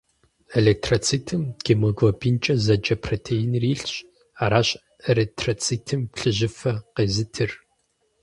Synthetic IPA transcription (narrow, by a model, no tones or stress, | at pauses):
eleːk̚tʰrot͡sʰiːtʰɨmɡ̥emɨɡvɐbiːnt͡ʃʼɐzɐd͡ʒɐpʰrotʰejinriːɬɕʼ | aːɾaːɕʼ | elek̚tʰrot͡sʰiːtʰɨmɬɨʑɪfɐqeːzɨtʰɨr